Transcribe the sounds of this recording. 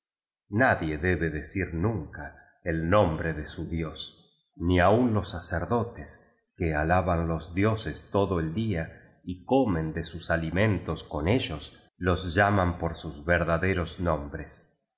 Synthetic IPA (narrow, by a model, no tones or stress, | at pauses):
naðje̞ðeβeðesiɾnũŋka | elnõ̞mbɾeðesuðjo̞s | niaunlo̞sːaseɾðo̞t̪es | kealaβanlo̞zðjo̞sest̪o̞ðoeld̪ia | ikomẽnd̪esusalimẽ̞nt̪o̞sko̞ne̞ʒos | lo̞zʒamampoɾsuzβeɾðaðe̞ɾoznõmbɾes